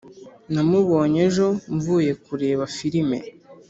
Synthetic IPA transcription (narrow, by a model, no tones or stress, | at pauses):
namuβo̞ːɲe̞ʒo̞ɱvuːje̞kuɾe̞ːβafiɾime̞̰